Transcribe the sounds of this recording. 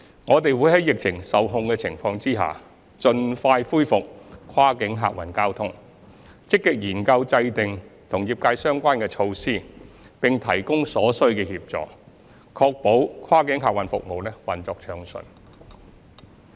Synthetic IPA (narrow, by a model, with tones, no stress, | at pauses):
ŋɔː˨˧t̪e˨jwuː˨˥jhɐ˨˦˥jɪ˨k̚t͡sʰɪ˨˩ŋsɐ˨wɦʊ˧ŋkɛː˧t͡sʰɪ˨˩ŋfɔː˧ŋt͡siː˥ɦa̰ː˨ | t͡ʃɵ˨nfaː˧jfuː˥jfʊ˨k̚kʰwaː˥kɪ˨˥ŋɦa̰ː˨k̚wɐ˨˩nkaː˥wt̪ʰʊ˥ŋ | t͡sɪ˥kːɪ˧k̚jiː˨˩nkɐ˧wt͡sɐ˧jt̪ɪ˨˩ŋt̪ʰʊ˨˩ŋjiː˨˧p̚kaː˧jsœː˥ŋkʷaː˥nkɛː˧t͡ʃʰo˧wsiː˥ | pɪ˨ŋt̪ʰɐ˨˩jkʊ˥ŋsɔː˨˥sɵ˥ɥkɛː˧hiː˧p̚t͡sɔ̰ː˨ | kʰɔː˧k̚po˨˥wkʰwaː˥kɪ˨˥ŋɦaː˨k̚wɐ˨˩nfʊ˨k̚mo˨wlɛː˥wɐ˨˩nt͡sɔː˧k̚t͡ʃʰœː˨˧ŋsɵ̰˨n